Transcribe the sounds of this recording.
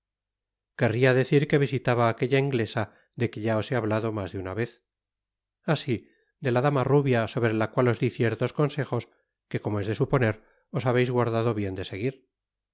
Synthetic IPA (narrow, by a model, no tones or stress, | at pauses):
ke̞riaðe̞θiɾke̞βisit̪aβaːke̞ʎaiŋɡle̞sa | ðe̞ke̞ʝao̞se̞aβ̞laðo̞mazðeunaβe̞θ | asi | d̪e̞laðamaruβjaso̞βɾe̞lakwalo̞zðiθje̞ɾt̪o̞sko̞nse̞xo̞s | ke̞ko̞moe̞zðe̞supo̞ne̞ɾ | o̞saβe̞jzɣwaɾðaðo̞βje̞nd̪e̞se̞ɣ̞iɾ